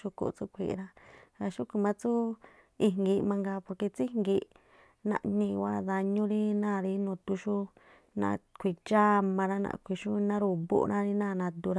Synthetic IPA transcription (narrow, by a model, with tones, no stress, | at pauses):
ʃu˧ko̰˧˨˧t͡su˦kʷʰḭ˧˨˧ɾã˦ɾa˧ʃu˦ku˧mã˧t͡su˦ | i˧˨ŋɡi˧mã˧ŋɡa˧po˧ɾke˧t͡si˦ŋɡi˧ | nã̰˧ʔnĩ˧wa˦ða˧ɲũ˦ɾi˦nãː˦˨ɾi˧˦nũː˨t̪u˧ʃu˦ | nã̰˧kʷi˧t͡ʃa˦mã˧ɾa˦nã̰˧kʷi˧˨ʃu˦nã˦ɾu˧˨bṵ˦˧ɾʔã˦˧ɾi˧nã˦˨nã˧d̪u˧ɾa˧